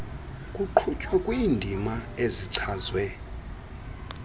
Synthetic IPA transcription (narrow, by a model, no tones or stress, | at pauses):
kʼuǃʰut͡ʃʼwakʼwiːndʱimaeziǀʰaːzwɛ